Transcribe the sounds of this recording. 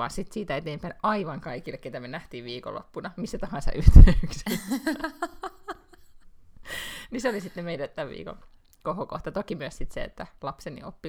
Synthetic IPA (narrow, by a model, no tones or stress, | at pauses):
ɑ̰nsit̪siːt̪æet̪eːmpæinɑiʋɑŋkɑikilːeket̪æmenæht̪iːʋʋiːko̰lːo̰pːunɑmisːæt̪ɑhɑnsɑ̰ʔyht̪øykse | niseolisit̪nemeidæt̪æʋʋḭːko̰n | kohoko̰ht̪ɑt̪okimyøssit̪seḛt̪ːælɑpsenḭo̰pːi